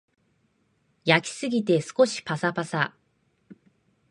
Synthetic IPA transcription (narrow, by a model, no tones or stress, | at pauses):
jakʲi̥sɨɡʲit̪e̞sɨ̥ko̞ɕi̥pasapasa